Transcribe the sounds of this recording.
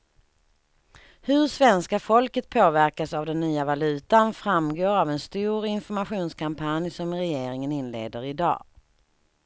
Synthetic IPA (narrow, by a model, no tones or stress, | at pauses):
hɵɾʂvɛnskafɔlkət̪̚pʰoːvæɾkasavd̪ɛnːyːavalʉ̟ːt̪anfɾamɡoːɾavɛnst̪uːɾɪnfɔɾmaɧuːnskʰampʰanjsɔmɾɛjeːɾɪŋənɪnːlḛːd̪əɾɪd̪ɑ̰ː